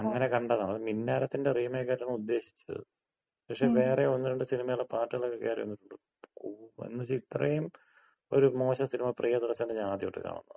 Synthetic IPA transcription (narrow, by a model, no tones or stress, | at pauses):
ɐŋːɐne̞kɐɳɖɐðaːɐðɨminːaːɾɐt̪ːinderiːmekːɐɾɐɳɐud̪ːe̞ːɕi̥t͡ɕːɐ̰ð | pɐkʂe̞ʋe̞ːreonːiɾɐɳɖɨsinimɐjuɭːɐpaːʈːɨɣɐɭokːekːeaːɾionːiʈːuɳɖɨ | kṵnːut͡ɕːɨit̪rɐjum | oɾumo̞ːɕɐsinimɐprʔijɐd̪uɾɐsːɐndɨɲaːd̪ijo̞ːʈːɨ̰ka̰ːɳṵnːɐ̰ð